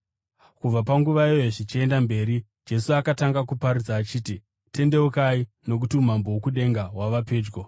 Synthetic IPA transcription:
kub͡vap̬aŋɡuʋaiojoʐit͡ʃie̞ndambe̞ːɾi | d͡ʒe̞suakataŋɡakupaɾud͡zaːt͡ʃiːti | te̞nde̞okai | no̞k̬utium̤ambowokuɗe̞ŋɡawaʋape̞ːd͡ʒɡo

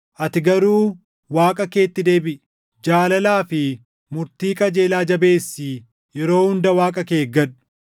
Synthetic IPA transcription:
ʔɐt̪ɪɡɐɾuː | waːkʼɐke̞ːt̪ːɪd̪e̞ːbɪʔ | d͡ʒaːlɐlaːfɪ | mʊɾt̪iːkʼɐd͡ʒeːlaːd͡ʒɐbe̞ːsːi | jɛɾo̞ːhʊnd̪ɐwaːkʼɐke̞ːɡɐᶑʊ̥

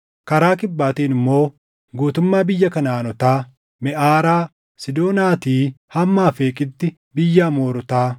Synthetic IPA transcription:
kɐɾaːkɪbːaːt̪iːnɪmːo̞ː | ɡuːt̪ʊmːaːbɪjːɐkɐnaːnɔt̪aː | mɛʔaːɾaː | sɪd̪o̞ːnaːt̪iːhɐmːaːfeːkʼɪt̪ːɪ | bɪjːaːmoːɾʊt̪aː

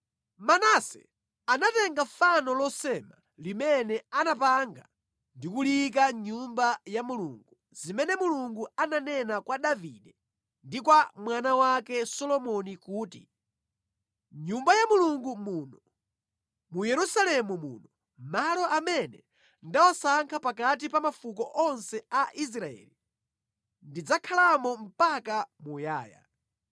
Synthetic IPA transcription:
manasɛ̰ | anatɛŋɡafanɔlɔsɛma̰ | limɛnɛanapaŋɡa | ndikulik̬aɲumbajamulṵŋɡu | zimɛnɛmuluŋɡuananɛnakwaɗavḭɗɛ | ndikwamwanawakɛsɔlɔmɔnikuːtḭ | ɲumbajamuluŋɡumunɔ | mujɛɾusalɛmumṵːnɔ | malɔʔamɛnɛ | ndawasaŋkʰapakat̬ipamafukɔʔɔnsɛaʔis̬ɾaɛ̰ːli | ndid͡zakʰalamɔm̩pakamujaːja̰

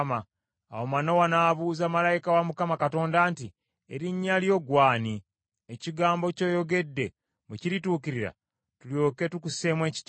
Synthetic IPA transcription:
ma | a̰womano̞wanaːβuːzamalajikawamukamakato̞ːndaːnti | eɾiɲːaljo̞ɡwaːni | eciɡaːmbo̞co̞ːjo̞ɡe̞dːe̞ | muciɾituːkiɾiɾa̰ | tuljo̞ːke̞tukuse̞mwe̞ːci̥t

